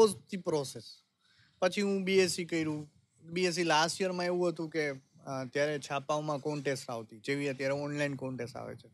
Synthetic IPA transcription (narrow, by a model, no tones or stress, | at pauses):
ost̪ʰipɾɔses | pət͡ʃʰiɦũbiesikəiɾũ | bies̬ilasʈijəɾmãeʋũɦət̪ũkeət̪jaɾet͡ʃʰapaʋmãkɔɳʈesʈaʋt̪id͡ʒeʋiət̪jaɾeɔnlainkɔɳʈesʈa̰ʋḛt͡ʃʰe